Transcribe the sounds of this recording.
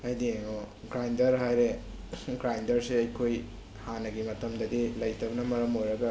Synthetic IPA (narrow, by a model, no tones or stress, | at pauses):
ɐjdieŋo | ɡɾajndɐɾɦajɾe | ɡɾajndɐɾseɐjkʰoj | hanɐɡimɐtɐmdɐdilɐjtʰɐbɐnɐmɐɾɐmojɾɐɡɐ